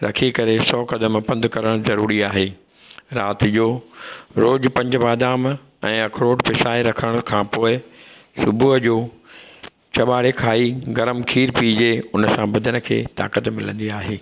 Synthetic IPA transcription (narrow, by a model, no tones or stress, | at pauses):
ɾɐkʰikɐɾesɔːkɐd̪əmpɐ̃nd̪ʱkɐɾəɽ̃zɐɾuːɾiaːɦeː | ɾaːt̪id͡ʑoːɾoːd͡ʑpɐ̃ɲd͡ʑʊʋaːd̪aːm | ɛ̃ːɐkʰɾoːʈpɪsaːeɾɐkʰəɽ̃kʰãːpoːɪ | sʊbʱuɦəd͡ʑoː | t͡ɕɐɓaːɽekʰaːiɡɐɾəmkʰiːɾpiːd͡ʑeʊnə̆sãbɐd̪ʱəñə̆kʰḛːt̪a̰ːkət̪mɪlə̃nd̪iaːɦeː